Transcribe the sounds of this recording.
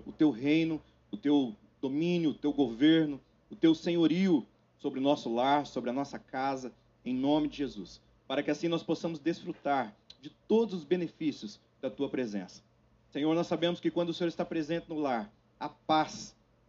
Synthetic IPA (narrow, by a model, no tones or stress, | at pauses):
ʊt̪ewɦej̃nʊ | ʊt̪ew | d̪omĩnjʊːt̪ewɡoveɾnʊ | ʊt̪ewsẽɲoɾiʊ | sobɾɪʊnɔsʊlaɾsobɾɪɐnɔsɐkazɐ | ẽj̃nõmɪd͡ʒɪʒezus | paɾɐkɪasĩnɔsposɐ̃mʊzd̪esfɾut̪aɾd͡ʒɪt̪od̪ʊzʊzbẽnefisijʊs | d̪̥ɐt̪uɐpɾezḛ̃sɐ̥ | sẽɲoɾnɔsːabẽmʊskɪkwɐ̃nd̪ʊsẽoɾɪst̪apɾezẽnt͡ʃ̪ɪnʊlaɾ | ɐpas